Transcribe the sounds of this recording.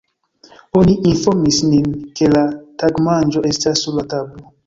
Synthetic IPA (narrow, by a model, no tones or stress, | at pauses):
oniʔinfo̞ɾmisninke̞lataɡmand͡ʒo̞ʔe̞stasːuɾlatablo